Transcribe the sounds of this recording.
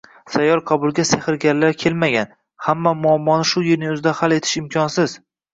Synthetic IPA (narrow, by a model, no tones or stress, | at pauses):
sajɒlˠqʰɑbʊlˠɡʲasehɪɾɡʲaɾlaɾkʲʰe̞lmaɡʲan | hamːamʊɒmːɒnɪʃʊjɪɾnɪʊzɪd̪ahale̞t̪ʰɪ̥ʃɪmkʲʰɒnsɪz̥